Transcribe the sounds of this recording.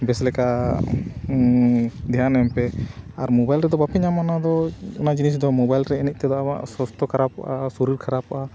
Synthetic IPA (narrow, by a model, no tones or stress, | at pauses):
bɛslɛka | d̪ɛɦanɛmpɛaɾmɔbajlɾɛd̪ɔbapɛɲamanad̪ɔɔnad͡ʒinis̬d̪ɔmɔbajlɾɛinic̚t̪ɛd̪ɔʔaa̰ʔsɔst̪ɔkʰaɾapɔʔasuɾiɾkʰaɾapʔa